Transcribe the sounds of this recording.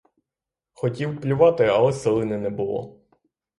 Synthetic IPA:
xɔtʲiwplʲʊʋɑt̪ɪɐlˠɛselˠɪnɛnɛbʊlˠɔ̰

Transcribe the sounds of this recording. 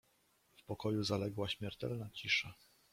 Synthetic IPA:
fpɔkɔjuzalɛɡwaɕmʲjɛɾt̪ɛ̰lnat͡ɕiʂa

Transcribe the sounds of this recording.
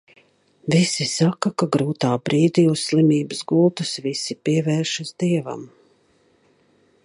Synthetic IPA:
visisakakaɡɾuːt̪aːbɾiːd̪iusslimiːbɨzɡulˠt̪usvisipiɛvɛːɾʃazd̪iɛva̰m

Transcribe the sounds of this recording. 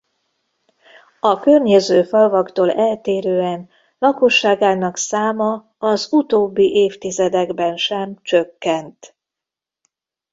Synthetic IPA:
ɒkørɲezøːfɒlvɒkt̪oːlɛlt̪eːɾøːɛn | lɒko̞ʃːaːɡaːnɒksaːmɒ | ɒzut̪oːbːiʔeːft̪izɛd̪ɛɡbɛnʃɛmt͡ʃøkːɛnt̪

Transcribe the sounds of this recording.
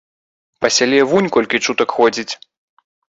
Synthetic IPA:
pɐsʲalʲɛvunʲkɔlʲkʲit͡ʂut̪ɐkxɔd͡zʲit͡sʲ

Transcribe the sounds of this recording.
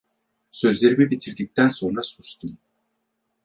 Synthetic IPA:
sø̞zlʲe̞ɾimibit̪ʰiɾd̪ic̚t̪ʰænso̞nɾasut͡ʃt̪ʰum

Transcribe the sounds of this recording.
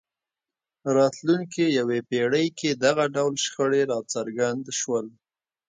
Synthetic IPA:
ɾɑt̪luŋkejawepeɽəjked̪aɣaɖawlʃxəɽeɾɑt͡saɾɡand̪ʃwəl

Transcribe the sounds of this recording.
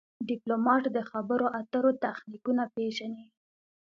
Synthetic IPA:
ɖiplomɑʈd̪əxabəɾoʔat̪əɾot̪axnikunapeʒani

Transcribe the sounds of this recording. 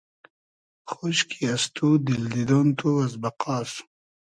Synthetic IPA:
xoɕkʰiɐst̪ʰud̪ild̪id̪ont̪ʰuɐzbɐqɑːs

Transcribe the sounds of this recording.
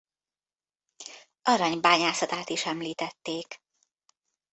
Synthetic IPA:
ʔɒɾɒɲbaːɲaːsɒt̪aːt̪iʃɛmliːt̪ɛt̪ːeːk

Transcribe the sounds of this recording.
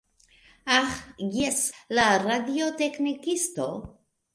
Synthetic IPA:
axjɛslaradiot̪eknikist̪o

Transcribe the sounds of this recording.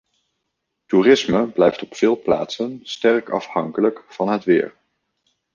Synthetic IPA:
turɪsməblɛjftɔpfɪːlˠpla̰ːtsənstɛrkɑ̰fhɑŋkələkfɑnɦətʋɪ̰ːɹ

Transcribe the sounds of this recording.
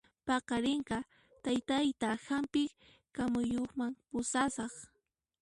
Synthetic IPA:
pɑqɑɾɪɴqɑ | t̪ajt̪ajt̪ahampɪ | kamʊjoχmaŋpʊsasɑχ

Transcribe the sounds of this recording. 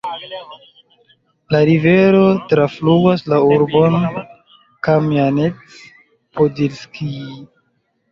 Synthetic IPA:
laɾive̞ɾo̞tɾafluɡaslauɾbo̞n | kamjanet͡s | podilski

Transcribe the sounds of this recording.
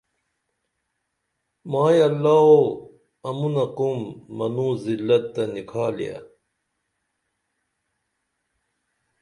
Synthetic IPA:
maːjɐlːaːo | ɐmunɐkumːɐnũːzilːɐt̪̚ːɐnikʰaːlḭja̰

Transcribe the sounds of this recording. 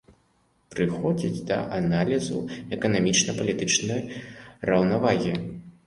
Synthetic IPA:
pɾɨxɔd͡zʲid͡zʲd̪ɐ̰ʔanalʲizṵɛkɐnamʲit͡ʂnɐpɐlʲit̪ɨt͡ʂnɐjrɐwnavaɣʲi

